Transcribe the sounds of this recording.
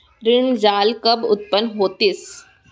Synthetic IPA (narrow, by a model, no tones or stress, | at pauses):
ɾɪɳd͡ʒaːlkɐbʊ̰t̪̚pənɦoːt̪ɪs